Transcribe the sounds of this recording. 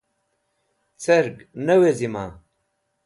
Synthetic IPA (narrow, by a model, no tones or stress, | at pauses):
t͡sɐɾɡnɐwezimaː